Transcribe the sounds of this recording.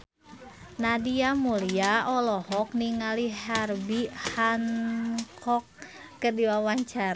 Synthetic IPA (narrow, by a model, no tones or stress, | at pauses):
nadiamuliaɔlɔhɔk̚niŋaliɦarbihankʰɔkː | ədiwawaɲt͡ʃaɾ